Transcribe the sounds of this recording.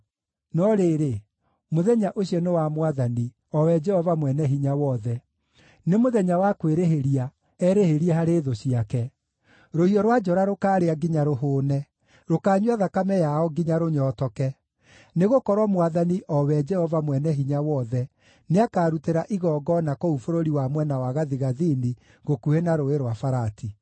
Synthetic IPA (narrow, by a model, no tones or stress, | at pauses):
nɔɾeɾe | moðɛɲaʔoɕiɔnewamwaðani | ɔwɛd͡ʒɛhɔvamwɛnɛɦiɲawɔðɛ | nemoðɛɲawakweɾeɦeɾia | ɛɾeheɾiɛɦaɾeðoɕiakɛ | ɾohiɔɾwad͡ʒɔɾaɾokaːɾeaɡiɲaɾoɦoːnɛ | ɾokaːɲwaðakamɛjaɔɡiɲaɾoɲɔːtɔkɛ | neɣokɔɾwamwaðaniʔɔwɛd͡ʒɛhɔvamwɛnɛɦiɲawɔðɛ | neakaːɾuteɾaʔiɣɔːɡɔnakoufoɾoɾiwamwɛnawaɣaðiɣaðini | ɣokuenaɾoeɾwafaɾati